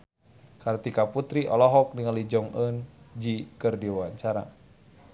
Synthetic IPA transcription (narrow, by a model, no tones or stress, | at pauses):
kart̪ikaput̪ɾiʔɔlɔɦɔk̚niŋalid͡ʒɔŋənd͡ʒikɨrdiwawaɲt͡ʃaɾa̰